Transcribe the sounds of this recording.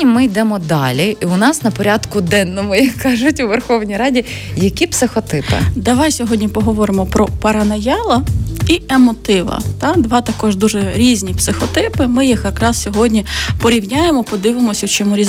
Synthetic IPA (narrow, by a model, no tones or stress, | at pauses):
imɪjd̪ɛmɔd̪ɑ̰lʲiiʊnɑsnɐpɔɾʲɑd̪kʊd̪ɛnːɔmʊjɐkʰːɑʒʊtʲʊʋerxɔwnʲijɾɑdʲi | jɐkʲipsɪxɔt̪ɪpɪ̰d̪ɐʋɑjsʲɔɦɔdʲnʲipɔɦɔʋɔɾɪmɔpɾɔpɐɾɐnɐjɑlˠɐiemɔt̪ɪʋɐ̰t̪ɑd̪ʋɑt̪ɐkɔʒd̪uʒɛɾʲizʲnʲipsɪxɔt̪ɪpɪmɪjixjɐkɾɑssʲɔɦɔdʲnʲipɔɾʲiwnʲajemɔpɔd̪ɪʋɪmɔsʲɐt͡ʃɔmuɾʲiz